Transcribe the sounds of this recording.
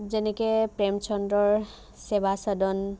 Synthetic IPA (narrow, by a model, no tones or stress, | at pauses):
zenekepɹemt͡ʃʰɔndɾɔɹ | sebʱasədɔn